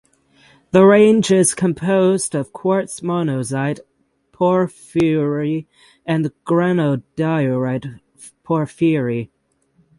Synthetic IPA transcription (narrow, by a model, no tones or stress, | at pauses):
ðəɹẽɪ̃nd͡ʒɪz̥kʰɨ̃mpʰoʊzdʌv̥kʰw̥ɔɹtsmɑnozaɪt̚ | pʰɔɹfʊɹi | ɨ̃nɡ̥ɹænoʊd̥aɪɹaɪt̚ | pʰɔɹfiɹi